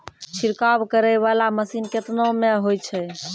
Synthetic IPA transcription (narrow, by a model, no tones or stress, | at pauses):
t͡ʃʰiɾkabkəɾɛʋalaməsinket̪nomeɦojt͡ʃʰɛ